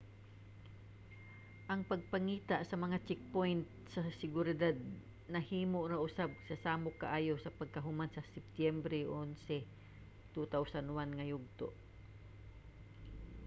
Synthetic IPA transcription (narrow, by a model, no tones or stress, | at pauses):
ʔɐŋpɐɡ̚pɐŋiːt̪aʔsɐmɐŋat͡ʃɛk̚pojnt̪̚sɐsɪɡʊɾɪd̪ad̪̚ | nɐhiːmoʔɾaʔʊsab̚sɐsaːmʊkːaʔaːjosɐpɐɡ̚kɐɦʊmansɐsɪp̚t̪jɛmbɾɛʔonsɛ | t̪ut̪awsɐnwanŋɐjʊɡ̚t̪o̰ʔ